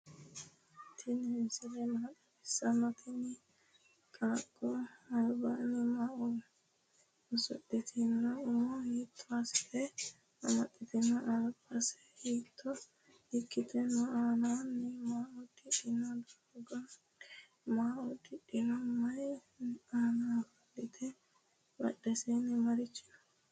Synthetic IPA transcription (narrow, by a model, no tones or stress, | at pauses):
t̪ʰɪnɛsɛlɛmaːtːɐɪsːɐmɐt̪ʰɪnɪ | kʼaːkʼːɔɐlbanːɛmaːʔɔ | ʊsɔ̰t̪ːɪt̪ʰɪnːɐʊmɔhiːt̪ʰːɔastɛ | ɐmɐt̪ʼːɪt̪ɪnːɐʔɐlbɐsɛ̥hiːt̪ʰːɔ | ɪkːɪt̪ʰɛnːɔaːnaːnːɛmaːʔɔd̪ɪᶑɪnɐd̪ɐ | ɡɐ | maːʔɔd̪ɪᶑːɪnɐmɐj | aːnaːfɐɗɪt̪ʰɛ | bɐ̰ɗɛsɛnːɛmɐɾɪt͡ʃːɪ̥nɐ̥